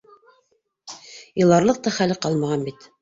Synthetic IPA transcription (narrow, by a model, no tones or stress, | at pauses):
jɤ̆lˠɑɾlˠɤq̚t̪ɑχælɘqɑlˠmɑʁɑnbit̪